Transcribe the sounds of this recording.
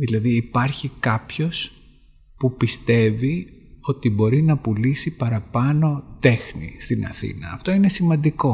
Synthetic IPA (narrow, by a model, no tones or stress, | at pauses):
ðilɐðiːpɐɾçikɐpço̞s | pupist̪e̞vi | o̞t̪ibo̞ɾinɐpulisipɐɾɐpɐno̞t̪e̞xnḭst̪inɐ̰θḭnɐ̰ːft̪o̞ine̞simɐ̃nd̪iko̞